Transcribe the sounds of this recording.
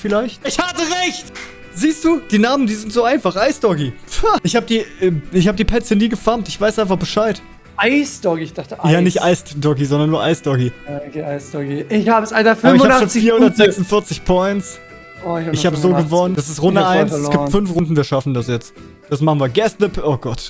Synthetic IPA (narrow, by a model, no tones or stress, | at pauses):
fɪlaɪçtɪçhatəʁɛçt | ziːstd̥uːd̥iːnaːmən̩diːzɪntz̥oːaɪnfaχʔaɪsd̥ɔkiɪçhaːbədiːɛɪçhaːbədiːpʰɛt͡səniːɡəfaɐmtɪçv̥aɪsʔaɪnfaχb̥əʃaɪt | ʔaɪsd̥ɔkiɪçd̥aχtəʔjaːnɪçtʔaɪsdɔkizɔndɐnːuːɐʔaɪsd̥ɔkiakeʔaɪsd̥ɔkiɪçhaːbəsalafaɪaʃoːnnfiːɐhʊndɐtz̥ɛksʊntfɪɐt͡sɪçpʰɔʏntt͡s | oɪçaɪçhaːbəzoːɡəvɔnənd̥as̬ɪstʁʊndəʔaɪnsɛlsoːɡiːp̚tfʏnfʁʊntn̩viːɐʃafn̩dasjɛt͡st | d̥asmaχn̩viːɐɡɛstlɪpʔoːɡɔt